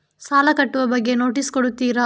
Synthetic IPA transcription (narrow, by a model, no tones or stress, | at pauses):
saːlɐkɐʈːuʋɐbɐɡːe̞no̞ːʈiskoɽut̪ːiːɾɐ